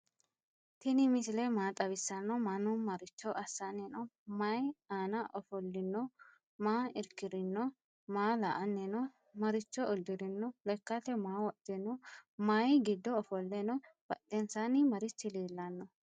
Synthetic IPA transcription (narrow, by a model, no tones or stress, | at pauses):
t̪ɪnɪmɪsɪlɛmaːt̪ʼɐβɪsːɐnːɔmanɔmɐɾɪt͡ʃːɔʔɐsːɐnːɛnɔmɐjaːnɐʔɔfɔlːɪnːɔ | maːɪɾkːɪd̪ɪnːɔ | maːlɐʔɐnːɛnɔ | mɐɾɪt͡ʃːɔd̪ːɪd̪ɪnːɔlɛkːɐt̪ɛmaːwɔd̪̥ːɛnɔmɐjɡɪd̪ːɔːfɔlːɛnɔb̥ɐt̪ːɛnsɐnɪmɐɾɪt͡ʃːɪliːlːɐnːɔ